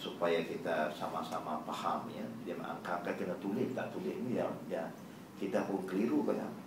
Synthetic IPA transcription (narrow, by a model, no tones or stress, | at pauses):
supajakit̪asamasamapahamjadiamaa̰ŋkaŋkakənat̪ulɪht̪at̪ulɪnijaja | kit̪aɦuŋkəliɾukaja̰